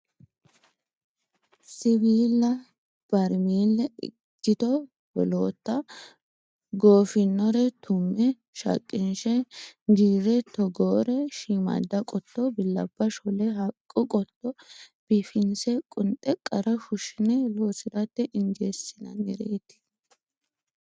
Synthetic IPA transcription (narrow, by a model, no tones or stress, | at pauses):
sɪbiːlːɐ | b̥ɐɾmiːlːɛɪ̰ | kːɪt̪ɔ | bɔ̰loːt̪ːɐ | ɡo̞ːfɪnːɔɾɛt̪ʊmːɛ | ʃɐ̰kʼːɪnʃɛd͡ʒiːɾɛt̪ɔɡoːɾɛʃiːmɐ̰d̪ːɐkʼɔt̪ːɔbɪlːɐ̰b̥ːɐʃɔlɛɦɐkʼːʊkʼɔt̪ːɔb̥ɪfɪnsɛkʼʊnt̪ʼːɛkʼɐɾɐfʊʃɪnɛloːsɪɾɐt̪ːɛʔɪnd͡ʒeːsɪnɐ̰nːɪɾeːt̪ɪ̥